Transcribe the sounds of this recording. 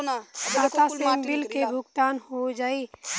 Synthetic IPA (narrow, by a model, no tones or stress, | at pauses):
d̪aːt̪asẽmbɪlkebʱʊɡt̪aːnhod͡ʒaːiː